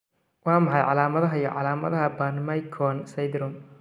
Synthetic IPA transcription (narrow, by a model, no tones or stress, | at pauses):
wɑːmɑħɑjʕɑlaːmɐðɐɦɐjɔʕɑlaːmɐðɐɦɐbɐnmɐjkʰɔnsɐjd̪ɾʊm